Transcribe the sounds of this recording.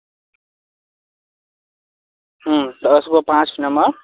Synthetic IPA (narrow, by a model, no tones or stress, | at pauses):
ɦʌ̃t̪ʌːskopãt͡snʌmʌr